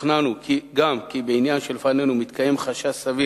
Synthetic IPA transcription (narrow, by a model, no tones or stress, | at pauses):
nanukʰiɡamkibeinjanʃelefane̞numit̪kaje̞mχaʃasavi